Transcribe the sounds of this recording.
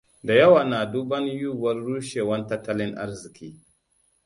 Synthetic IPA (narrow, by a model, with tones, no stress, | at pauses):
da˨jɐ˦waː˨naː˨du˦bɐ˦njuː˦˨wɐ˦rːuː˦ʃeː˨wɐ˦ntɐ˦tːɐ˦lɪ˦ŋʔa̰˦ɾzɪ˨kʲiː˦